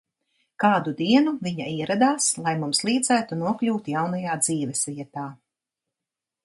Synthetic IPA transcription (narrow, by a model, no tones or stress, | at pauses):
kaːd̪ud̪iɛnuviɲaiɛɾad̪aːslˠajmumslˠiːd̪zæːt̪unuɔklʲuːt̪jawnajaːd̪z̥iːvɛsvʲiɛt̪aː